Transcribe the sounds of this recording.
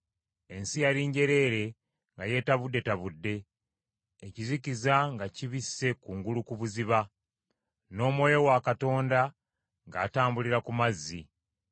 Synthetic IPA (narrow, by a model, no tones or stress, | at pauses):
e̞nsijaɾiːɲɟe̞ɾe̞ːɾe̞ | ŋɡaje̞taβudːe̞taβudːe̞ː | cizikizaŋɡaciβisːe̞kuːŋɡulukuβuziβa | no̞ːmwo̞jo̞wakato̞ːnda | ŋɡa̰ːtaːmbuliɾakumazːi